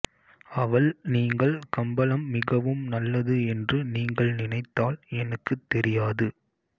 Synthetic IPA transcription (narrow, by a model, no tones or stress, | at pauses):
ɐʋɐɭniːŋɡɐɭkɐmbɐlɐmːɪɣɐʋɯmnɐlːɐðɯɛndrɯniːŋɡɐɭnɪnɐɪt̪ːaːlɛnɐkːɯt̪ːɛɾɪjaːðɯ